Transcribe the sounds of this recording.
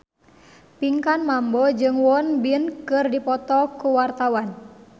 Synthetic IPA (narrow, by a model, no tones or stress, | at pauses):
piŋkanmambɔd͡ʒɨŋwɔnbinkɨrdipɔt̪ɔkuwart̪awan